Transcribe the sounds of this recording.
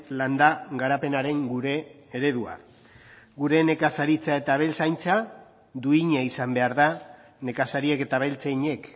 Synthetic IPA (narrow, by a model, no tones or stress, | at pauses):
land̪aɣaɾape̞naɾe̞ŋɡuɾe̞ː | ɾe̞ðua̰ | ɡuɾe̞ne̞kasaɾit͡sae̞t̪aβ̞e̞lsajnt͡sa | d̪uiɲaisambeaɾða | ne̞kasaɾieke̞t̪aβelt͡seiɲe̞k